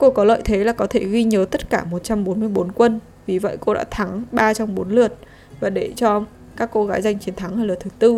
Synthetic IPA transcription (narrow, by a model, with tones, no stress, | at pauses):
ko˧kɔ˨˦lə̰ː˧˨jt̪ʰe˨˦laː˨˩kɔ˨˦t̪ʰe˧˩ɣi˧ɲəː˨˦t̪ə˦˥t̚kaː˧˩mo˨˩t̚t͡ɕa˧mɓo˨˦nmɨ˧əjɓo˨˦nkwə˧n | vi˨˩və̰˧˨jko˧ɗa̰ː˧˥t̪ʰa˨˦ŋɓaː˧t͡ɕa˧wŋ͡mɓo˨˦nlɨ˨˩ət̚ | vaː˨˩ɗe˧˩t͡ɕɔ˧ | kaː˦˥kːo˧ɣaː˨˦jza˧jŋ̟t͡ɕi˨˦ənt̪ʰa˨˦ŋhaː˧jlaː˨˩t̪ʰɨ˨˩˦t̪ɨ˧